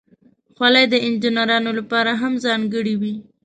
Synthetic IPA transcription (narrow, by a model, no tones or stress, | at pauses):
xwalajd̪əɪnd͡ʒɪnaɾɑnolapɑɾaɦamzɑŋɡəɽiwi